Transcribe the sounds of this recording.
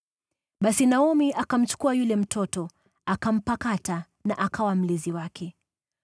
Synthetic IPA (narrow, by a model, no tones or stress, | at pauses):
ɓasinaɔmiʔakam̩t͡ʃu̥kuajulɛm̩tʰɔtɔ | akam̩pakata | naʔakʰawam̩liziwakʰɛ